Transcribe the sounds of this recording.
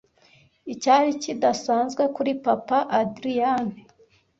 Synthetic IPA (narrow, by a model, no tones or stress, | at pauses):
icaːɾicidasaːnzɡwekuɾipapaʔadɾijane